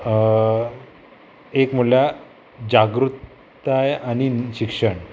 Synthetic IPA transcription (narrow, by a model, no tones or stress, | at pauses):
ekm̤uɭja | d͡ʑaɡɾut̪ | ajaniɕikʂəɳ